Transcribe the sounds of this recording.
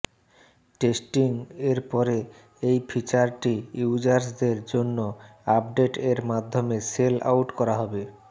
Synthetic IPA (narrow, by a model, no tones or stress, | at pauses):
ʈesʈiŋeɾpɔɾe | ejpʰit͡ɕaɾʈiuud͡ʑaɾsd̪eɾd͡ʑonːoapɖeʈeɾmad̪ʱːomesela̰wʈkɔɾaɦɔbe